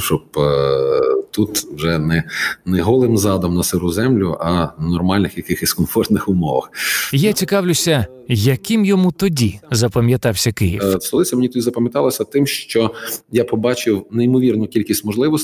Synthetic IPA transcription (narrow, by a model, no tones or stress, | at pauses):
ʃt͡ʃɔb | t̪ut̪wʒɛnɛnɛɦɔlˠɪmzɑd̪ɔmnɐsɪɾʊzɛmlʲʊʔɐnɔrmɑlʲnɪxjɐkɪxɪsʲkɔnfɔrt̪nɪxʊmɔʋɐ̰xjat͡sʲikɑwlʲʊsʲɐ | jɐkɪmjɔmut̪ɔdʲizɐpɐmʲjɐt̪ɑwsʲɐkɪjifst̪ɔlˠɪt͡sʲɐmenʲit̪ɔdʲizɐpɐmjɐt̪ɑlˠɐsʲɐt̪ɪmʃt͡ʃɔjapɔbɑt͡ʃɪwnɛimɔʋʲirnʊkʲilʲkʲisʲtʲmɔʒlˠɪʋɔs